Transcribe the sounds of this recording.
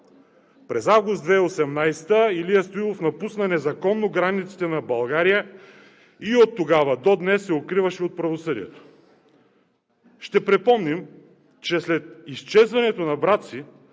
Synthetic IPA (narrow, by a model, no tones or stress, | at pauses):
pɾɛzavɡʊst̪d̪vɛosɛmnajsɛ̥t̪əiliɐst̪oilˠofnɐpusnɐnɛzɐkɔnːoɡɾanit̪si̥t̪ɛnɐbɐlˠɡaɾijə | iot̪ːoɡavəd̪od̪nɛsːɛot̪̚kɾivɐʃɛot̪̚pɾɐvosɤd̪ḭɛ̰t̪o̥ | ʃt̪ɛpɾɛpɔmnim | t͡ʃɛslɛt̪ist͡ʃɛzvɐnɛt̪onɐbɾat̪si